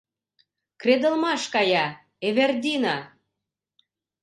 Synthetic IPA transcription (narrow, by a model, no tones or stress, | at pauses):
kred̪ə̆lmɑʃkɑjɑ | eβerd̪ʲinɑ